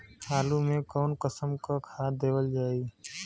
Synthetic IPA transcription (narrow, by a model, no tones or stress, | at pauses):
haːlumẽkɔːnkəsəmkakʰad̪eːwəld͡ʒaːi